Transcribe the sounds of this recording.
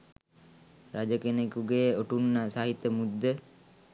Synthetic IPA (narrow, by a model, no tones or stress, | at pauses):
ɾad͡ʒəkenekuɡeːoʈunːasaɦit̪ːəmud̪ːə